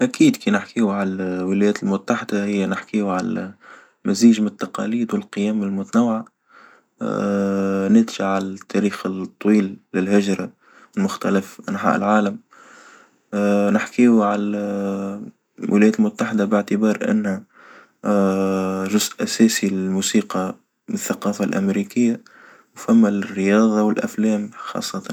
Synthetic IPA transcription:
ʔækiːd̪kiːnɪħkiwʕalwɪlæjɛːt̪lmʊt̪ːaħɪd̪ahɪjːænɪħkiːwʕal | mæziːʒmɪnɪt̪ːɑqɑ̰liːd̪wɪlqɨjæːmɪlmʊt̪nawːʕa | nɪt̪ʒaʕʕalæt̪ːæɾiːxt̪ˤːwiːlːɪlhɪʒɾɑ | wɪlmʊxt̪æləfʔanħa̰ːʔɪ̰lʕaːləm | nɪħkiwʕal | wʔɪ̰læjæːt̪lmʊt̪ːaħɪd̪abɪʕt̪əbɑːɾˤʔɪ̰nːhæ | ʒʊzʔʔæsɛːsilɪlmuːsiːqɑ | mnθːaqɑːfalʔæ̰mɾiːkɪjːa | wfæmːarːɪjɑːðˤɑwɪlʔæ̰flɛːmxɑ̰ːsˤːɑt̪ɑn

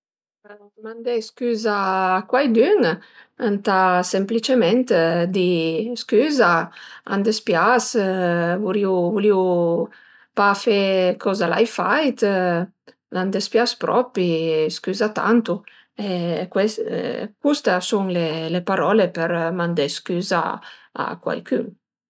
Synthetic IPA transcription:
mand̪eskyːzaːkwajd̪yŋant̪asemplit͡ʃemɛnt̪d̪iskyzaa̰nd̪espjas | vuɾiwvuliw | pafekʰɔzala̰jfajt̪ | land̪espjaspɾʔɔpiskyzat̪a̰nt̪u | ekwɛskust̪suŋlelepaɾɔlepɛɾmand̪eskyza̰a̰kwa̰jkyŋ

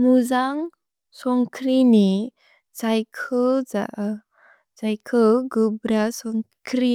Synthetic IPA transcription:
muzaŋ | sɔŋkɾini | t͡sajkʰəd͡za̰ʔ | d͡zajkʰəɡəbɾasɔŋ | kʰɾi

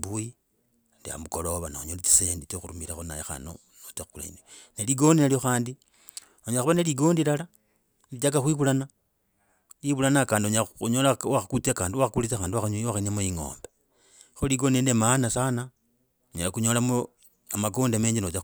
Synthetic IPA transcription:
buji | ndia̰mukolo̞βanauɲolit͡si̥senditoxuɾumiɾaxona̰jexa̰no̰ | not͡ʃaxukula̰ḭneneliɡo̞ndinalioxaːndi | oɲaxuβaneliɡo̞ːndilala | lit͡ʃak̬axwiβulana | liβulanakaːndioɲauɲolawaxakut͡siakaːndiwaxakulit͡saxaːndiwaxaɲowaxaniamojiŋo̞̰ːmbe | xoliɡondiendemanasana | ɲolakuɲolamo | amaɡoːndameːɲd͡ʒinot͡ʃa

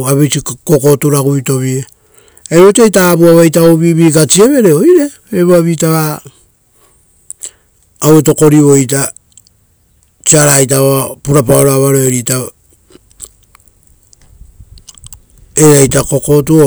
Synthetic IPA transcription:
aβit͡ʃiko̞ko̞tuɾaɡuito̞βie | eɾotajtabuaβajt̬aoβiβikat͡ʃieβe̞ɾe̞o̞jɾe̞ | eβuaβitaβa | weto̞ko̞ɾiβo̞jt̬a | t͡ʃiaɾajt̬aβapuɾapaoɾoaβaɾoeɾita | eɾajtako̞ko̞tuo

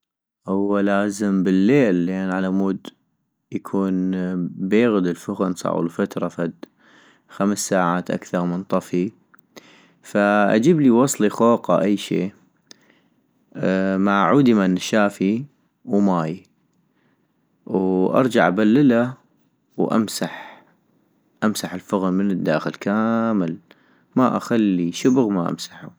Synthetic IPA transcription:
hʊwːalaːzəmbəlːeːlːeːnʕalamuːd̪ | jakʰuːnbeːɣd̪ɪlfʊɣʊnsˤɑ̰ʕ̰lfat̪ɾˤɑfad̪ | xamsːaːʕaːt̪ʔa̰kθɑɾˤmənt̪ˤɑfi | faʔa̰d͡ʒiːbliwɑsˤlixoːqɑ̰ʔajːʃḛː | maʕʕuːd̪imanʃaːfi | wmaːj | wʔɑ̰ɾˤd͡ʒaʕʔabalːɪla | wʔa̰msaħ | ʔamsaħɪlfʊɣmənəd̪ːaːxɪlkaːməl | maʔaxalːiʃʊbʊɣmaʔa̰msaħu

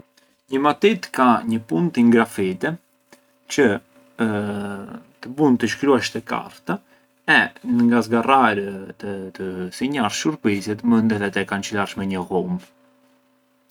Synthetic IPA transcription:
ɲəmat̪it̪kaɲəpunt̪iŋɡɾafit̪ɛ | t͡ʃə | t̪əbunt̪əʃkɾuaʃt̪ɛka̰ɾt̪a | ɛnəŋɡazɡaraɾət̪ət̪əsiɲaɾʃuɾpizɛt̪əmənd̪əðɛt̪ɛkant͡ʃəlaɾʃmɛɲəhum

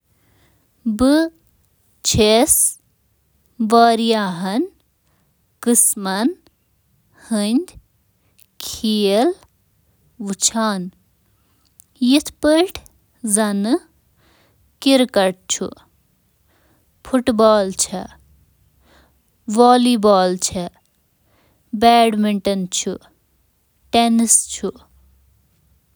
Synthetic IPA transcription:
bɨ | t͡ʃʰes | ʋaːɾijaɦɐn | kɨsmɐn | hɨnʲd̪ʲ | kʰijəl | ʋut͡ʃʰaːn | jit̪ʰpəʈʰ | zɐnɨ | kiɾkɐɾʈ̚t͡ʃʰṵ | pʰuʈbaːlt͡ʃʰɐ | ʋaːliːbaːlt͡ʃʰɐ | bɛːɖmiɳʈɐnt͡ʃʰu | ʈenist͡ʃʰu

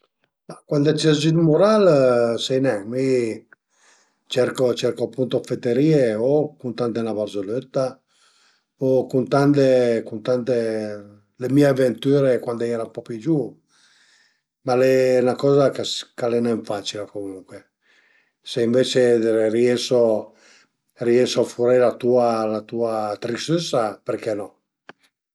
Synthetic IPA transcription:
makwand̪ot͡ʃɛzinmuɾalsɛjnɛmi | t͡ʃɛɾkot͡ʃɛɾkoapːunt̪ofet̪ːeɾiːeokunt̪ant̪enabarzolet̪ːa | okunt̪ant̪ekunt̪ant̪e | lemiːeavent̪yːɾekwand̪oɛɾapɔpid͡ʒu | malenakɔːzakaskalenɛɱfaːt͡ʃilekomuŋkwe | seiɱveːt͡ʃeriɛso | riɛsoafuɾelat̪uːalat̪uat̪ɾist̪esːaperkɛnɔ

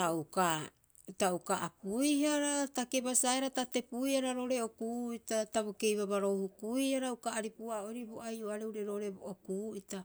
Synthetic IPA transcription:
auka | taukaapujhaɾatake̞basaeɾatate̞puiaɾaɾo̞ɾe̞o̞kuitataβo̞ke̞jβaβaɾo̞hukuiaɾaukaːɾipuaoɾibo̞ʔajoaɾeuɾeɾoɾebookuːita

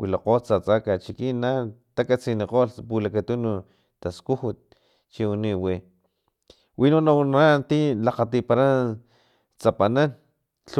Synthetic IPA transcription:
wilaqot͡sat͡sakat͡ʃikinːat̪akat͡sineqolpulakat̪unu | t̪askuhut̪̚ | t͡ʃiuniwi | winunanat̪ilaqat̪ipaɾan | t͡sapanan | t͡ɬ

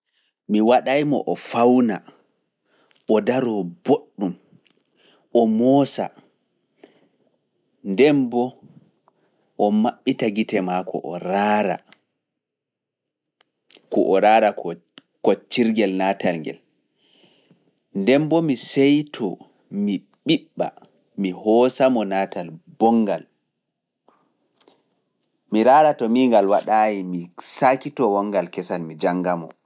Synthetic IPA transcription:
miwaɗajmɔ̰ʔɔfawna̰ | ʔɔdaɾɔboɗːum | ɔmɔːsa̰ | ndɛmbɔ | ʔɔmaɓːitaɡitɛmakɔ̰ʔɔ̰ɾaːɾa̰ | kɔʔɔɾaːɾak | kɔt͡ʃiɾɡɛlnaːtalŋɡɛ̰l | ndɛmbɔmisɛjtʰɔ̰ | mi | ɓiɓːa̰ | mihɔsamɔnaːtalbɔŋɡal | miɾaːɾatɔmiŋɡalwaɗaːjimisaːkitɔwɔŋɡalkɛsanmid͡ʒaŋːɡamɔ̰

